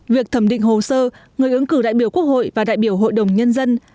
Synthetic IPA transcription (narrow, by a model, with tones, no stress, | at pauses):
vi˨˩ək̚t̪ʰə˧˩mɗḭ̈˧˨ŋ̟ɦo˨˩səː˧ŋɨ˨˩əjʔɨ˨˦ŋkɨ˧˩ɗa̰ː˧˨jɓi˧˩əwku˦˥ək̚ho̰˧˨jvaː˨˩ɗa̰ː˧˨jɓi˧˩əwɦo̰˧˨jɗə˨˩wŋ͡mɲə˧nzə˧n